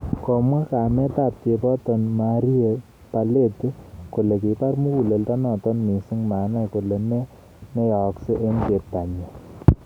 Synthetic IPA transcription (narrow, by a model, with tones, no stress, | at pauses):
kɔ˨mwa˦ka˨mɛ˦ta˨t̚te˨˧pɔ˦tɔ˨nma˨ɾi˦e˨ | pa˨le˦˨tko˨le˨ki˨ta˦rmu˦u˨le˨lta˦nɔ˨tɔ˦nmi˨sɪ˦ŋma˨na˦ko˨le˨ne˦ | ne˦jɔ˨ksɪ˦ʔe˦nte˨ta˨ɲa˨